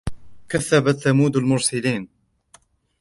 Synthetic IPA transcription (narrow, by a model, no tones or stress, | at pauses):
kaθːabat̪θamuːd̪almʊɾsɪliːn